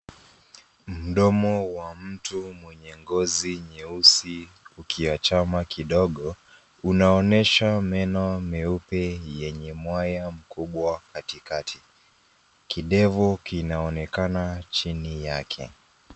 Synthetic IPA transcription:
m̩ɗɔmɔwam̩tumwɛɲɛŋɡɔziɲɛusi | ukʰiwat͡ʃamakiɗɔɠɔ | unaɔnɛʃamɛnɔmɛupɛjɛɲɛmwajam̩kuɓwakatikatʰi | kiɗɛvukinaɔnɛkanat͡ʃinijakʰɛ̰

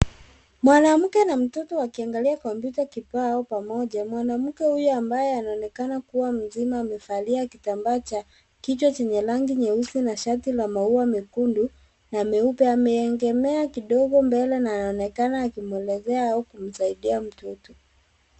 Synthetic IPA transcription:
mwanam̩kɛnam̩tɔtɔwakiaŋɡaliakɔmpjutakipaɔpamɔʄamwanam̩kɛhujɔambajɛanaɔnɛkanakuwam̩zimaːmɛfaliakitambat͡ʃa | kit͡ʃwat͡ʃɛɲɛlaŋɡiɲɛusinaʃatilamauamɛkundu | naːmɛupɛamɛɛŋɡɛmɛakiɗɔɠɔmbɛlɛnaːnaɔnɛkanaːkimuɛlɛzɛaaukum̩saiɗiam̩tɔtɔ

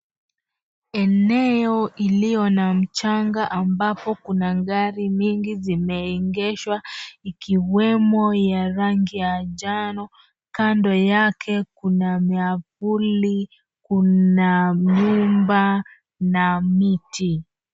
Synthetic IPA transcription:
ɛnɛɔʔilijɔnam̩t͡ʃaŋɡaʔambapɔkunaɡaɾiɲiŋɡizimɛiŋɡɛʃwaikiwɛmɔjaɾaŋɡijaʄanɔ | kandɔjakʰɛkunamiavuli | kunaɲumba | namitʰi

